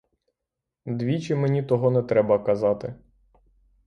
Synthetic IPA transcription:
d̪ʋʲit͡ʃɪmenʲit̪ɔɦɔnɛt̪ɾɛbɐkɐzɑt̪ɪ

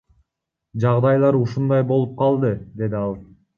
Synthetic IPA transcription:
d͡ʒɑʁd̪ɑjlˠɑɾuʃund̪ɑjbo̞lˠup̚qɑlˠd̪ɯd̪e̞d̪iɑlˠ

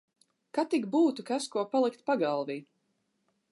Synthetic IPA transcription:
kat̪iɡbuːt̪ukaskuɔpalˠikt̪paɡalˠviː

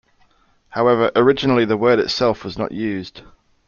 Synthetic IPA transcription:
haʊɛvəɹʔəɹɪd͡ʒɪnəliðəwɜːɾɪ̰tsɛlˠfwɒznə̰ʔjʉːzd̥

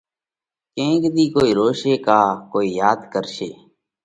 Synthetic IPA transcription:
kẽːkd̪iːkoːiːɾoːʃeːkaːkoːiːjaːd̪kəɾʃeː

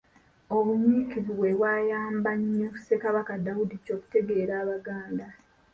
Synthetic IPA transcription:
o̞βuɲikiziβwe̞βwaːjaːmbaɲːou̥se̞kaβakadawudico̞ːku̥te̞ɡe̞ːɾaːβaɡaːnda

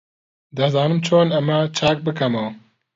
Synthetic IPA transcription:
d̪ɐzaːnɨmt͡ʃʰoːnɐmɐt͡ʃʰaːk̚bɨkʰɐmɐw

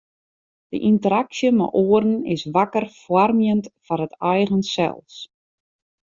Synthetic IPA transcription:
d̥ə̰ʔintəɾaksjəmɛ̰ʔoəɾn̩ɪsʋakərfwarmjəntfarətɛjɣənsɛ̰lˠs

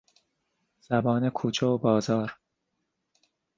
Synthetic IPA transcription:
z̥æbɒːnekʰuːt͡ʃʰeobɒːzɒːɾ

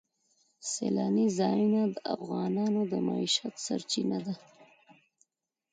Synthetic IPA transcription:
selɑnizɑjunad̪əa̰fɣɑnɑnod̪əmaiʃat̪sa̰ɾt͡ʃinad̪a

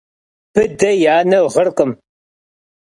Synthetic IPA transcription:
pʰɨdɐjaːnɐwʁərqʼəm

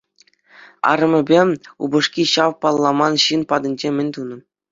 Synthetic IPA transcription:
ɑ̰ɾɤ̆mʲɘ̆bʲeṵbɤ̆ʂkʲiɕɑʋpɑlˠːɑmɑnɕinpɑd̪ɤ̆nʲd͡ʑemʲɘ̆nʲt̪unɤ̆

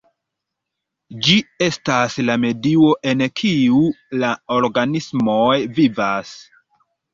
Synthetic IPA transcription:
d͡ʒie̞staslame̞dio̞ʔe̞nkʰiulaoɾɡanismojvivas

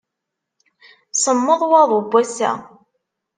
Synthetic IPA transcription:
səmːəðˤwɑðˤʊbʷːæsæ̰

